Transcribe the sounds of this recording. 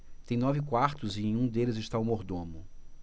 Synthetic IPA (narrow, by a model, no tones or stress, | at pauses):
t̪ẽj̃nɔvɪkwaɾt̪ʊzɪẽj̃ũd̪elɪzɪʃt̪aʊmoɾd̪õmʊ